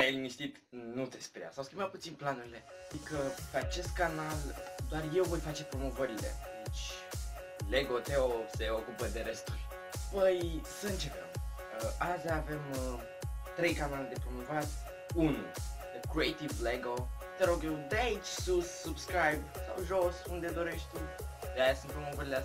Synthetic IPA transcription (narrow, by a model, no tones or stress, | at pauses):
ajelimist̪it̪nut̪e̞speɾija̰sawskʲimbat̪̚put̪sinplanuɾile̞ad̪ikəpeat͡ʃe̞st̪̚kanald̪oarje̞wvo̞jfat͡ʃe̞pɾo̞mo̞vəɾile̞̰d̪it͡ʃʲ | le̞ɡo̞t̪e̞ose̞o̞kupəd̪e̞ɾe̞st̪ulʲ | pəjsəɨnt͡ʃe̞kəm | əʔazaːve̞m | t̪ɾe̞jkanaled̪e̞pɾo̞movat | unṵd̪əkɾiejt̪ivleɡot̪eɾo̞ɡjewd̪eait͡ʃʲsussubskɾajbsa̰wʒo̞sund̪e̞d̪o̞ɾe̞ʃt̪ʲt̪ud̪eajasunt̪̚pɾo̞movəɾilea